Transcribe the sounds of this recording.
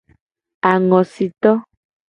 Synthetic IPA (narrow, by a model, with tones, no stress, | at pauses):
a˨ŋɔ̃˨si˨t̪ɔ˦